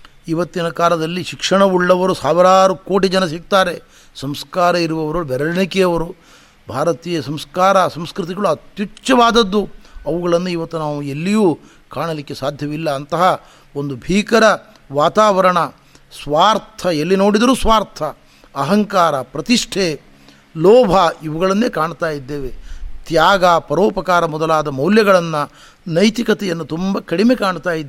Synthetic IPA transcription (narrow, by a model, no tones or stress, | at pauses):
iʋɐt̪ːinɐkaːlɐd̪ɐlːiʃikʂɐɳɐuɭːɐʋɐɾusaːʋɾaːɾukoːʈid͡ʒɐnɐsik̚t̪aːɾe̞ | sɐmskaːɾɐiɾuʋɐʋɐɾubɛɾɐɭɐɳikɛjɐʋɐɾu | bʱaːɾɐt̪iːjɐsɐmskaːɾɐsɐmskɾt̪̬iɡɐɭuɐt̪jut͡ʃːɐʋaːd̪ɐd̪ːuɐʋuɡɐɭɐnːuiʋɐt̪ːunaːʋuelːijuː | kaːɳɐlikːe̞saːd̪ʱjɐʋilːɐːnt̪ɐɦɐ | ond̪ubʱiːkɐɾɐ | ʋaːt̪aːʋɐɾɐɳɐ | sʋaːɾt̪ʰɐelːino̞ːɽid̪ɐɾuːsʋaːɾt̪ʰɐː | ɦɐŋkaːɾɐpɾɐt̪iʂʈʰe | lɔːbʱɐiʋuɡɐɭɐnːe̞ːkaːɳt̪aːjid̪ːe̞ːʋe̞t̪jaːɡapɐɾɔːpɐkaːɾɐmɔd̪ɐlaːd̪ɐmɐwljɐɡɐɭɐnːɐ | nɐjt̪ikɐt̪ɛjɐnːut̪umbɐkɐɽimekaːɳt̪aːjid̪ː